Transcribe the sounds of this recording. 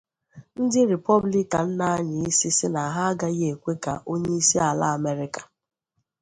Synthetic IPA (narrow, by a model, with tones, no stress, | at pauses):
n̩˦dɪ˦ɾi˨pɔ˦bli˦ka˨n̩˦na˦a˦ɲɪ˨i˦si˦sɪ˦na˨a˨ɦa˦a˦ɡa˦ɣe˨kʷe˦ka̰˨ʔo˦ɲe˦i˦si˦a˨la˦a˨me˦ɾɪ˦kḁ˨